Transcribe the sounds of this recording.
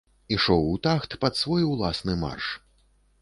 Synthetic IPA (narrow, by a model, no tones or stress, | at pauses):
iʂɔwut̪axt̪pɐt̪svɔjulˠasnɨma̰rʂ